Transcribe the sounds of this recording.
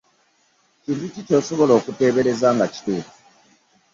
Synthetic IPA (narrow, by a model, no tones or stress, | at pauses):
cinducitoːsoβoloːkute̞ːβelezaŋɡaci̥tuːtu̥